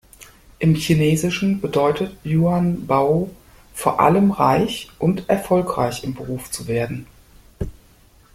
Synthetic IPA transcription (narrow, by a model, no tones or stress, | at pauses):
ʔɪmçineːzɪʃn̩bədɔʏtʰətjuːanbaʊ | foːɐʔa̰ləmʁa̰ɪçʔʊntʔɛɐfɔlkʁ̥a̰ɪçɪmbəʁuːft͡suveːɐdn̩